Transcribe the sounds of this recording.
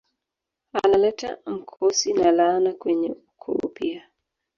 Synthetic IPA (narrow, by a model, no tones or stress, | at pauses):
alalɛta̰m̩kʰosinalanakweɲḛukʰo̰pia